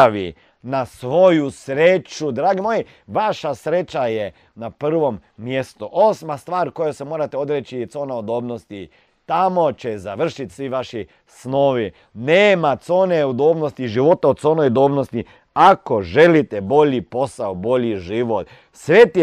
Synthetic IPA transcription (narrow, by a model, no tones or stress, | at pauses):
ʋi | nasʋo̞jusɾet͡ʃud̪ɾaːɡimo̞ji | ʋaʃasɾet͡ʃaje | napr̩ʋo̞mːjest̪uʔosmast̪ʋaːɾko̞josemo̞ːɾat̪eo̞d̪ɾet͡ʃit̪so̞ːnaud̪oːbno̞st̪i | t̪amo̞t͡ʃezaʋr̩ʃit̪sʋiʋaʃi | sno̞ːʋi | neːmat̪so̞ːneud̪oːbnost̪iʒiʋo̞t̪aot̪soːnojd̪oːbnost̪i | akoʒe̞lit̪ebo̞ʎipo̞saobo̞ʎiʒiʋot̪ | sʋet̪